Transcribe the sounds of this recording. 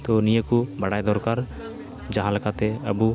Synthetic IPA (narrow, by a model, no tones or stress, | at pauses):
t̪ɔnijəkubaɽajd̪ɔɾkaɾ | d͡ʒaɦãləkat̪ɛəbu